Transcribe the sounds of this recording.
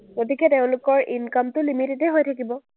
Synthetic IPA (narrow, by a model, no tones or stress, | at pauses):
ɡotikɛteʊ̃lʊkɔɹʔinkamtʊlimiteteɦojtʰakibɔ